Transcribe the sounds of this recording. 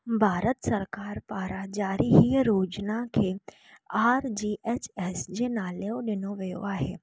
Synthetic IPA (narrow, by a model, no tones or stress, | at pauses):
bʱaːɾət̪səɾkaːɾpaːɾad͡ʒaːɾiɦiɾoːd͡ʒnakʰe | aːɾd͡ʒiːʔɛːt͡ʃɛːsd͡ʒenaːleoɖɪnoʋeːo̰aɦɛ̰ː